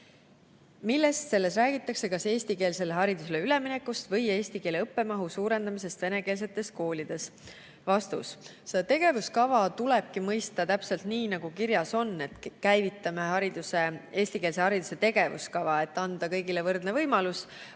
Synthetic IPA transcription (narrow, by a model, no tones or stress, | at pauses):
milːe̞st̪se̞lːe̞sræːɡ̥it̪ːˑɑkse̞kɑse̞ːsʲt̪ike̞ːlse̞leɦɑɾid̪̥us̬e̞leyle̞mine̞kːust̪vɤje̞ːsʲt̪ike̞ːleɤpːe̞mɑɦusuːɾe̞nd̪̥ɑmis̬e̞st̪v̥e̞ne̞ke̞ːls̬e̞t̪ːˑe̞st̪̚ko̞ːlʲid̪̥e̞s | vɑst̪ṵs | set̪e̞ɡe̞vuskɑvɑt̪ule̞b̥̚kimɤjst̪ɑt̪æpse̞lt̪niːnɑɡ̥ukiɾjɑso̞nːe̞t̪kæjvit̪ːˑɑme̞ɦɑɾid̪usee̞ːsʲt̪ike̞ːls̬e̞hɑɾid̪̥use̞t̪e̞ɡ̥e̞vṵskɑvɑe̞t̪ːɑnd̪̥ɑkɤ̞jɡ̥ilevɤrd̪̥ne̞vɤjmɑlus